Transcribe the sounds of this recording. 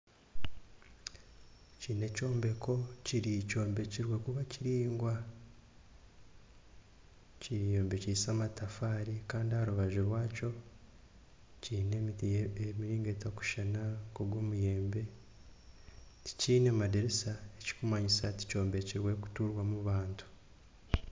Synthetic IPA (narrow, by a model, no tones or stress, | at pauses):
ciːne̞co̞ːmbe̞ko̞ciɾico̞ːmbe̞ciɾwe̞kuβaciɾiːŋɡwa | cijeːmbe̞cisamatafaːɾikaːndiahaɾuβaʒuɾwaːco̞ | ciːne̞mitiemiɾiːŋɡe̞taku̥ʃanakoɡwoːmuje̞ːmbe̞ | ti̥ciːne̞madeɾesaeci̥kumaɲisati̥co̞ːmbe̞ciɾwe̞ku̥tuɾwamuβaːntʰu̥